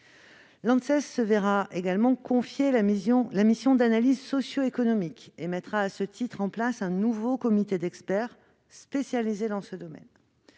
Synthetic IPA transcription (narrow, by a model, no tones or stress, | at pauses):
lɑ̃d̪sɛsːəveʁaʔeɡalmɑ̃kɔ̃fjẽlamisjɔ̃d̪analizsɔsjoekɔnɔmikemɛt̪χaːsət̪ʰit̪χɑ̃plasɛ̃nuvokɔmit̪ed̪ɛkspɛʁ | spesjalized̪ɑ̃səd̪ɔmɛ̰n